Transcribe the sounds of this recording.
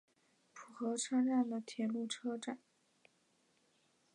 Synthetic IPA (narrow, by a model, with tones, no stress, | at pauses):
pʰu˨˩xɤ˧˥ʈ͡ʂʰa˥nɻa˥˩nd̪ə˩t̪ʰjɛ˧˥nlu˥˩ʈ͡ʂʰɤ˥ʈ͡ʂa˨˩˦n